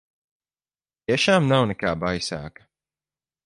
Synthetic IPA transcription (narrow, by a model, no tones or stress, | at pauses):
jɛʃamnawnəkaːbajsa̰ːkə̥